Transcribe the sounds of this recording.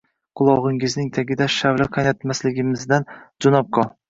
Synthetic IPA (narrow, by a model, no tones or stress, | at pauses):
qʰʊlˠɒʁɪŋɪznɪŋt̪ʰaɡʲɪd̪aʃawlaqʰanat̪maslɪɡʲɪmɪzd̪and͡ʒʊnɒp̚qʰɒ